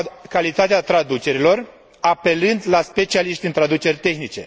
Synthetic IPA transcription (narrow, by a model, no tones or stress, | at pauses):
kalit̪at̪eat̪ɾad̪ut͡ʃe̞ɾilo̞r | ape̞lɨnd̪laspe̞t͡ʃialiʃt̪int̪ɾad̪ut͡ʃe̞rʲt̪e̞xnit͡ʃe̞̰